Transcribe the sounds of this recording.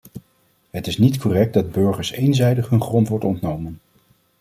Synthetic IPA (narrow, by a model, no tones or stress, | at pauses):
ɦətɪsnitkʰɔrɛk̚dɑd̚bɵɹχəɹsejnzɛjdəχɦɵnχrɔntʋɔɹtɔntnowmən